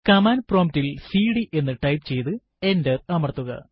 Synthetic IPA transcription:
kɐmaːnproːmtilsiːɽiʔe̞nːɨʈɐjpt͡ɕe̞jt̪ɨ | e̞ndɐrɐmɐrɐt̪ːuɣɐ̰

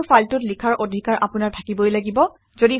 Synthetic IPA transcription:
faltʊtlikʰaɹʔodʱikaɹʔapʊnaɹtʰakibɔjlaɡibɔ | zodi

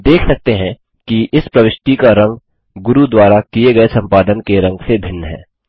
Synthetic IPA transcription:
d̪eːkʰsɐk̚t̪eɦɛ̃ | kiʔɪspɾɐʋɪʃʈikaɾɐ̃ŋɡ | ɡʊɾud̪waːɾakieɡɐesɐ̃mpaːd̪ənkeɾɐ̃ŋɡsebʱɪnːəɦɛ̰ː

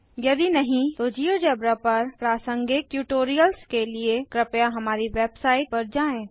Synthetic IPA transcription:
jɐd̪inɐɦĩt̪od͡ʒiːod͡ʒɛːbɾapɐɾpɾaːsə̃ŋɡɪk̚ːjuːʈoːɾijəlskeliekɾɪpjaɦɐmaːɾiʋeːbsaːɪʈ̚pɐɾd͡ʒaːẽː

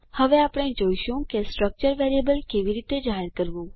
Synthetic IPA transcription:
həʋeapɽ̃ẽd͡ʑoːjʃũkesʈɾək̚t͡ʃəɾʋeɾiebəlkeʋiɾiːt̪ed͡ʒaɦeɾkəɾʋu

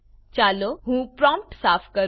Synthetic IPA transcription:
t͡ʃaːloɦũːpɾɔ̃mp̚ʈsaːfkəɾ

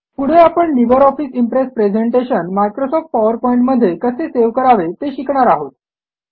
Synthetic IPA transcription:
puɽ̤eapəɳliʋəɾɔfiːsimpɾesʈ̚pɾed͡ʑeɳʈeɕənmajkɾosɔfʈ̚paʋəɾpɔiɳʈməd̪ʱːjekəseseʋkəɾaʋet̪eɕikɳ̃aɾaɦot̪

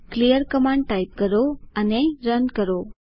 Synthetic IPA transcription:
klijəɾkəmãɳɖ̚ʈajp̚kəɾoəneɾənkəɾo

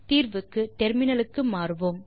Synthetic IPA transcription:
t̪iːɾʋɯkːɯʈ̪ɛɾmɪnɐlɯkːɯmaːɾɯʋoːm

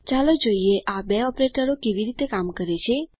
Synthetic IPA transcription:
t͡ʃalod͡ʒoieʔabeɔpɾeʈəɾokeʋiɾit̪ekamkəɾet͡ʃʰe

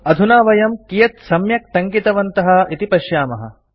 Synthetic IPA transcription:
ɐd̪ʱunaːʋɐjɐmkijɐt̪sɐmjɐk̚t̪ɐŋkit̪ɐʋɐnt̪ɐɦɐ̆it̪ipɐʃjaːmɐɦɐ̰

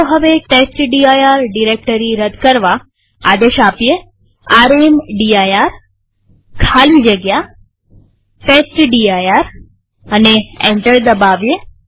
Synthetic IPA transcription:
oɦəʋeʈesʈɖiajaɾɖiɾek̚ʈəɾiɾəd̪kəɾʋa | ad̪eʃapije | aɾemɖiajaɾ | kʰalid͡ʒəɡja | ʈesʈɖiajaɾ | əneɛ̃ɳʈəɾd̪əbaʋje

